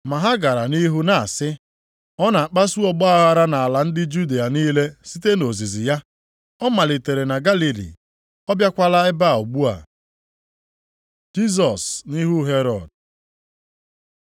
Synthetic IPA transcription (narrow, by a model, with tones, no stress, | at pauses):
ma˨ɦa˦ɡa˨ɾa˨ni˦ɦu˦na˨sɪ˦ | ɔ˦na˨a˨k͡pa˦su˦ɔ˨ɡ͡bɔ˦a˦ɣa˦ɾa˦na˨a˨la˨n̩˦dɪ˦d͡ʒu˦de˨a˨niː˦le˦si˦te˦no˨zi˨zi˨ja˦ | ɔ˦ma˨lɪ˨te˨ɾe˨na˨ɡa˦li˨lḭ˨ | ɔ˦bja˦kʷa˦la˦ɪ˦ba˦˨o˨ɡ͡bu˦a̰˨ | d͡ʒi˦s̬ɔ˨sni˦ɦu˦ɦe˦ɾɔ˨d